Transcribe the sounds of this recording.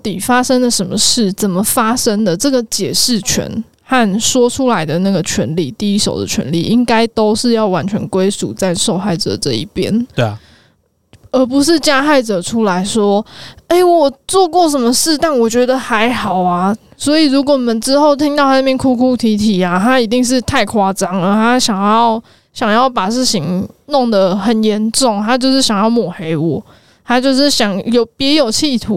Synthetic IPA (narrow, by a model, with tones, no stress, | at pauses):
t̪i˨˩fa˥ʂə˥ŋd̪ə˨ʂə˧˦nmə˧ʂɻ̩˥˩t͡sə˨˩nmə˨˩fa˥ʂə˥ŋd̪ə˨ʈ͡ʂɤə˥˩ɡə˨˩t͡ɕjɛ˨˩ʂɻ̩˥˩t͡ɕʰɥɛ̰˧˥n | xa˥˩nʂwɔ˥ʈ͡ʂʰu˥la˧˦ɪd̪ə˨na˥˩ɡə˩t͡ɕʰɥɛ̰˧˥nli˥˩t̪i˥˩i˥ʂo̰˨˩ʊd̪ə̰˦t͡ɕʰɥɛ̰˧˦nli˥˩ʔi˦˥ŋka˥ɪt̪o˥ʊʂɻ̩˥˧jɑ˥˩ʊwa˧˦nt͡ɕʰɥɛ̰˧˦nkwe˥ɪsṵ˨˩t͡sa˥˧ɪʂo˥˧ʊxa˥˩ɪʈ͡ʂɤ̰˨˩ʈ͡ʂɤ̰˥˧ḭ˥˩pjɛ̰˥n | ə˧˥pu˧˦ʂ̬ɻ̩˥˩t͡ɕja˥xa˥˩ɪʈ͡ʂɤ˨˩ʈ͡ʂʰu˥la˧˥ɪʂwɔ˥e˥˩ɪwɔ˨˩t͡swɔ˥˧kwɔ˥˩ʂ̬ə˧˦nmə˧ʂɻ̩˥˧t̪a˥˩nwɔ˨˩t͡ɕɥɛ˧˥d̪ə˨xa˧˦ɪxɑ˨˩ʊa˨ | swɔ˧˥i˨˩ɻu˧˥k̬wɔ˨˩˨mə˨nʈ͡ʂɻ̩˥xo˥˩ʊt̪ʰi˥ŋt̪ɑ˥˧ʊt̪ʰa˥na˥˧˩jɛ˥˨nkʰu˥˩kʰu˥˩t̪ʰi˧˥t̪ʰi˨˩a˨˦t̪ʰa˥i˨˥t̪i˥˧ŋʂ̬ɻ̩˥˧t̪ʰa˥˩ɪkʰwa˥t͡sɑ˥ŋə˧˨t̪ʰa˥ɕjɑ˨˩ŋjjɑ˥˩ʊ | ɕjɑ˨˩ŋjɑ˥˩ʊpa˨˩ʂɻ̩˥˩ɕi˧˥ŋnʊ˥˩ŋd̪ə˨xə˨˩njɛ˧˥nʈ͡ʂʊ˥˩ŋt̪ʰa˥t͡ɕjo˥˧ʊʂɻ̩˥˩ɕjɑ˨˩ŋjɑ˥˩ʊmwɔ˨˩xe˧˥˦ɪwɔ˨˩ | t̪ʰa˥t͡ɕjo˥˧ʊʂ̬ɻ̩˥˩ɕjɑ˨˩˦ŋjo˨˦ʊpjɛ˧˥jo˨˩ʊt͡ɕʰi˥˧t̪ʰu˨˦